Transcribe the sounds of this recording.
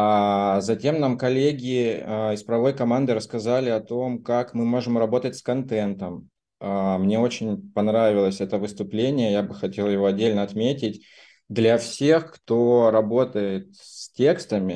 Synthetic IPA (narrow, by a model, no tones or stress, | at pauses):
azɐtʲe̞mnamkɐlʲeɡʲɪɪspɾɐvo̞jkɐmand̪ɨɾəskɐzalʲɪɐt̪o̞mkakmɨmo̞ʐɨmrɐbo̞t̪ətʲskɐnt̪ɛnt̪əm | amnʲe̞o̞t͡ɕɪnʲpɐnɾavʲɪlˠəsʲɛt̪əvɨst̪ʊplʲenʲɪjəjabɨxɐtʲe̞lˠjɪvo̞ɐdʲːelʲnəɐt̪mʲetʲɪt̚ʲ | d̪lʲɐfsʲe̞xkt̪o̞ɾɐbo̞t̪əjɪt̪sʲtʲe̞kst̪əmʲɪ